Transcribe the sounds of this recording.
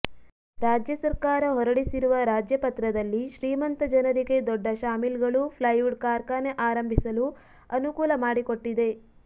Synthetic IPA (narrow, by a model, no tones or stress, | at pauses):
ɾaːd͡ʒjɐsɐɾkaːɾɐɦɔɾɐɽisiɾuʋɐɾaːd͡ʒjɐpɐt̪ɾɐd̪ɐlːiʃɾiːmɐnt̪ɐd͡ʒɐnɐɾiɡe̞d̪ɔɖːɐʃaːmilɡɐɭupʰlɐjuɖkaːɾkaːneʔaːɾɐmbʱisɐlu | ɐnukuːlɐmaːɽikoʈːid̪e̞